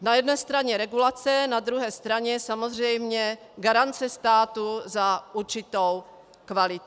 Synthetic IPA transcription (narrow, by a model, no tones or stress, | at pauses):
najɛdnɛːst̪ɾaɲɛɾɛɡulat͡sɛnad̪ɾuɦɛːst̪ɾaɲɛsamozr̝ɛjmɲɛ | ɡaɾant͡sɛst̪aːt̪uzaʔuɾt͡ʃɪt̪ow | kvalɪt̪